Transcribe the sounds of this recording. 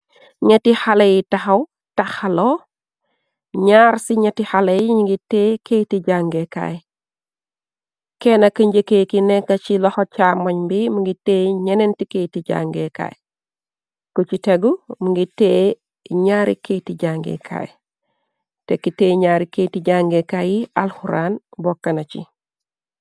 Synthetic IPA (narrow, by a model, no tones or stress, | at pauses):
ɲetihalejitaxɐw | taxalo | ɲaːɾsiɲetihalɐjiɲiŋɡiteːketiɟaŋɡeka̰j | kenɐkəɲɟekekinɛkɐt͡ʃilɔhɔt͡ʃamɔɲmbimuŋɡiteːɲenentiketiɟa̰ŋɡeka̰j | kut͡ʃiteɡumuŋɡitːe | ɲaːɾiketiɟaŋɡḛkʰa̰ːj | tekiteːɲaːɾiketiɟaŋɡekajia̰lhuɾaːnbokːɐnat͡ʃḭ